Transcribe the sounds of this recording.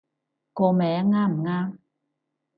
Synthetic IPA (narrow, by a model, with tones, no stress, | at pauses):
kɔː˧mɛː˨˥ŋaː˥m̩˨˩ŋaː˥m